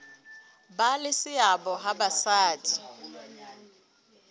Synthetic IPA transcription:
balɪsɪabɔɦabasaːtʰʼi̥

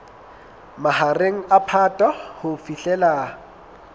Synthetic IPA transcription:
mahareŋ̩apʰatʼahʊfiɬɛlaː

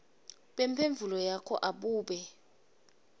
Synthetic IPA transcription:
ɓempʰeɱb̪vʱulɔjakʰɔ̰ʔaɓuːɓɛ

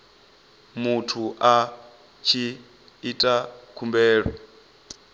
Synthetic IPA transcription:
mutʰuʔa | t͡ʃʰiː | tʼakʰumbɛːɺɔ̰

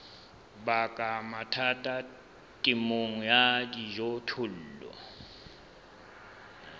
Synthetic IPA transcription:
bakʼamatʰatʼa | tʼɪmoŋ̩jadiʒotʰʊl̩ːlɔ̰

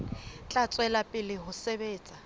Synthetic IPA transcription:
t͡ɬʼat͡sʼwɛlapʼɪlɪɦʊsebeːt͡sʼa

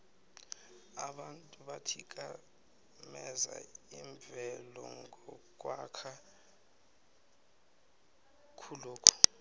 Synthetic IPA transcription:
aɓantʼuɓatʰik̬ʼa | mɛza̰iɱbvʱɛlɔ̰ŋɡʱɔk̬ʼwakʰa | kʰuloːkʰɔ̥

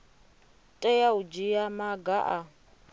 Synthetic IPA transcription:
tʼɛjaud͡ʒijamaɡaʔa

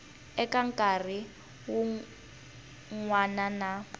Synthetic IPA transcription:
ɛkʼaŋ̩kʼar̤i | wu | ŋwanana

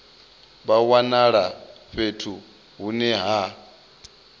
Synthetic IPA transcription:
βawanaɺaɸetʰu | ɦunɛɦa

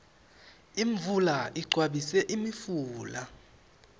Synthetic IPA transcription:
iɱvulaʔiɡ͡ǀʱwaɓisɛʔimifuːla

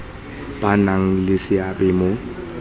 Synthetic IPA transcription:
b̥anaŋ̩lɪsɪabɛmo

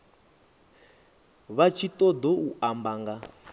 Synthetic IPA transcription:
βat͡ʃʰit̪ʼɔd̪ɔuʔambaːŋɡa

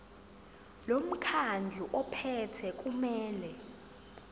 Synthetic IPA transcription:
lom̩kʰand͡ɮʱuʔɔpʰɛtʰɛk̬ʼumɛːlɛ

